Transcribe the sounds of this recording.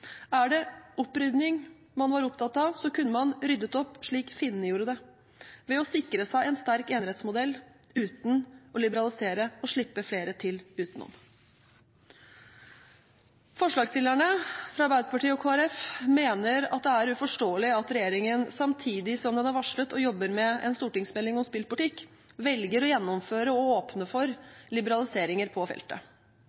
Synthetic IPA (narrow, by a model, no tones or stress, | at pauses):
æɖɛɔpɾʏd̪nɪŋ | mɑnʋɑɾʊpt̪ʰɑt̪ɑʋsɔkʉnːəmɑnɾʏd̪ːət̪ɔpːʂɭiːkfɪnːəjuːɾəd̪ɛ | ʋɛɔsɪkɾəsæɪɛnst̪æɾkeːnɪhɛːt̪smʊd̪ɛlː | ʉːt̪n̩ɔlɪbəɾɑlɪseːɾəɔʂɭɪpːəfleːɾət̪ʰɪlʉːt̪nɔ̰m | fɔʂɭɑːɡst̪ɪlæɳəfɾɑɑɾbæɪd̪əpɑʈiːɔkʰoːæɾɛfmeːnəɾɑ̰t̪̚d̪ɛæɾʉfɔʂʈoːəlɪɑt̪ɾɛjeːɾɪŋənsɑmt̪ʰiːd̪ɪsɔmd̪ɛnæɾʋɑʂɭət̪ɔjɔbːəɾmɛʔɛ̰nst̪uːʈɪŋsmɛlːɪŋɔmspɪlpʊlɪt̪ʰɪkː | ʋɛlɡəɾɔjɛnːɔmføːɾəɔoːpnəfɔɾlɪbəɾɑlɪseːɾɪŋəɾpʰɔfɛ̰lt̪ə̰